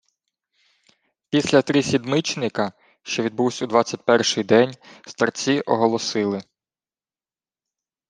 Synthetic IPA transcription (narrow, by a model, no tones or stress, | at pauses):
pʲisʲlʲɐt̪ɾisʲid̪mɪt͡ʃnɪkɐ | ʃt͡ʃɔʋʲid̪̚buwsʲɐud̪ʋɑt͡sʲːɐt̚ʲpɛrʃɪjd̪ɛnʲst̪ɐrt͡sʲiʔɔɦɔlˠɔsɪlˠɪ